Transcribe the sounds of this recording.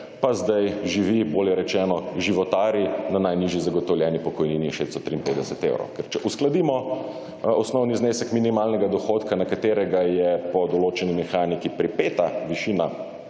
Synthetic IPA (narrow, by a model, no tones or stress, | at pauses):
pazd̪ajʒiʋiboːljɛɾɛt͡ʃɛːnɔʒiʋɔt̪aːɾjinanajniʒjizaɡɔt̪ɔwljɛnipɔkɔjniːniʃest̪ɔ̥t̪ɾiːimpeːd̪ɛsɛt̪ḛwɾo̰wkɛɾt͡ʃɛʔusklad̪imɔ | ɔsnɔwnizneːsɛkminimaːlnɛɡad̪ɔxoːt̪kanakat̪eːɾɛɡajɛpɔd̪ɔloːt͡ʃɛnimɛxaːnikipɾipeːt̪aʋiʃina